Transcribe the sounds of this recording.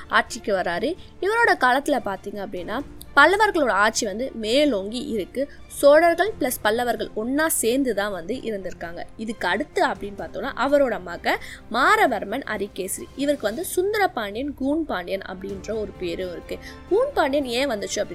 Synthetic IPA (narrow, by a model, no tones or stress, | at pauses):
aːʈ̚t͡ʃɪkːɯʋɐɾaːɾɯɪʋɐɾoːɽɐkaːlɐt̪ːɪlɐpaːɾt̪iːŋɡɐːpːɐɽɪnːaː | pɐlːɐʋɐɾɣɐɭoːɽɐaːʈ̚t͡ʃːiʋɐnd̪ɯmeːloːŋɡiʔɪɾɯkːɯsoːɽɐɾɣɐɭpɪɭɐspɐlːɐʋɐɾɣɐɭɔnːaːseːɾnd̪ɯt̪ãːʋɐnd̪ɯʔɪɾɯnd̪ɪɾɯkːaːŋɡɐ̰ɪðɯkːɐɽɯt̪ːɯɐpːɐɽɪnːpaːɾt̪ɯŋnːa̰ːʔɐʋɐɾoːɽɐmaɣɐmaːɾɐʋɐɾmɐnɐ̰ɾɪkːeːsɪɾḭɪʋɐɾkːɯʋɐnd̪ɯsʊnd̪ɐɾɐpːaːɳɖɪjɐnɡuːnpaːɳɖɪjɐnɐ̰pːɐɽɪndrɐɔɾɯpeːɾɯɾɯkːɯ | ɡ̥uːnpaːɳɖɪjɐneːʋɐnd̪ɯt͡ʃːʊɐpːɐɽɪ